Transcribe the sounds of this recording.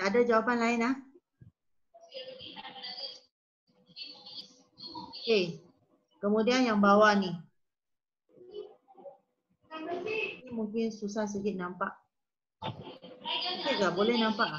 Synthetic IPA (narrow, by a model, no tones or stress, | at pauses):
aadad͡ʒawapanlaɪnah | e | kəmũdianjaŋbawani | imuŋkɪnsusahs̬əɡɪt̪̚nampaʔ | kɛʔkabolɛhnampaʔ